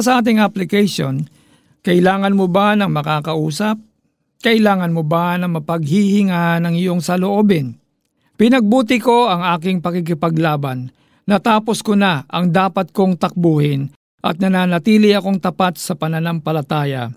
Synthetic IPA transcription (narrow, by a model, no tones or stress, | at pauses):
sɐʔaːt̪̬ɪŋaplɪkɛjʃon | kɐʔɪlaːŋɐnmobanɐŋmɐkaːkɐʔuːsɐp̚ | kɐʔɪlaːŋɐnmobanɐŋmɐpɐɡhihɪŋanɐŋɪjo̞ŋsɐloʔoːbɪn | pɪnɐɡ̚buːt̪ɪko̞ɐŋaːkɪŋpɐkɪk̬ɪpɐɡlaːbɐnː | ɐt̪aːpo̞skonaʔɐŋd̪aːpɐt̪̚ko̞ŋt̪ɐk̚boːhɪn | ʔɐ̰t̪̚nɐnaːnɐt̪iːlɪɐko̞ŋt̪ɐpat̪̚sɐpɐnɐnaŋpɐlɐt̪aːjɐ̰